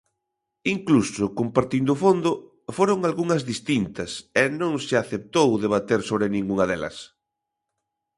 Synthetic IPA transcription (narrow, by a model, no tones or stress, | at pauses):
iŋklusʊkompaɾt̪ind̪ʊːfond̪ʊ | foɾoŋalɣuŋɐzðist̪int̪ɐsɛnõŋsɪaθep̚t̪owðeβ̞at̪eɾsoβɾɪnĩŋɡuŋɐðelɐ̰s